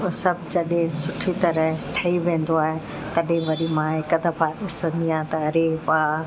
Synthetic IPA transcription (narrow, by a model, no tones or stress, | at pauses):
sɐbʱd͡ʑɐɗɦɪ̃sʊʈʰit̪ɐɾəʈʰɐiʋẽːn̆d̪oaːɦe | t̪ɐɗɦɪ̃ʋɐɾimãɪkɐd̪ʱəpʰaːɗɪsə̃nd̪iãːt̪ɐɐɾepaː